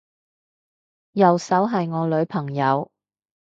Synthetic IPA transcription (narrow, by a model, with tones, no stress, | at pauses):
jɐ˨wsɐ˨˥wɦɐ˨jŋɔː˨˧lɵ˨˧ɥpʰɐ˨˩ŋjɐ˨˧w